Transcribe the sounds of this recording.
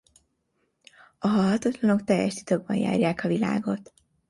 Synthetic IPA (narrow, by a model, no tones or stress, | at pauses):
ɒɦɒlɦɒt̪ɒt̪lɒno̞kt̪ɛjɛ̰ʃt̪i̥t̪oɡbɒ̰nja̰ːrjaːkɒvila̰ːɡo̞t̪